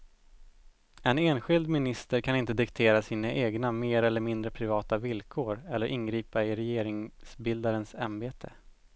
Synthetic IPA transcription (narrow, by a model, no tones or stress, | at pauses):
ɛneːnɧɪld̪mɪnɪst̪əɾkʰanɪnt̪əd̪ɪkt̪ʰeːɾasiːnaʔeːɡnameːɾɛlːəɾmɪnd̪ɾəpʰɾɪvɑːt̪avɪlkʰoːɾɛlːəɾʔɪnɡɾiːpaɪɾɛjeːɾɪŋsbɪld̪aɾənsanbeːt̪ʰə̰